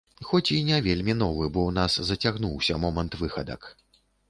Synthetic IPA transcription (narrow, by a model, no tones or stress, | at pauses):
xɔt͡sʲinʲɛvʲelʲmʲin̪ɔvɨbɔn̪aszɐt͡sʲaɣnuwsʲɐmɔmɐnt̪vɨxɐd̪ɐ̰k